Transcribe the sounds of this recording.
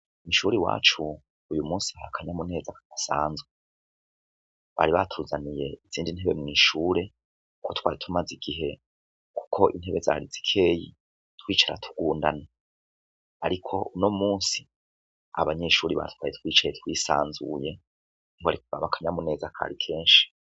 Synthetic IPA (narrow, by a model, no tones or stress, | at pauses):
iʃuɾiwa̰ːt͡ʃuː | jumuːsiahakʰaɲamune̞ːzakaɡ̥asaːnzu | βa̰ɾiβatʰuːzanije̞iz̥iːndinhe̞βe̞mŋiːʃuːɾe̞ | kʰo̞twaːɾitʰumaziɡ̥iɦe̞ | kʰu̥kʰo̞ʔin̥he̞βe̞za̰ːɾizi̥kʰe̞ːji | twiːt͡ʃaɾa̰tʰu̥ɡ̥uːndana | aɾikʰo̞uno̞muːsi̥ | a̰βaɲe̞ʃuːɾiβa̰twaːjetwiːt͡ʃajetwiːsaːnzṵje̞ | ŋɡoaɾikuɡaβakʰaɲamune̞ːzakʰa̰ɾikʰe̞ːnʃi̥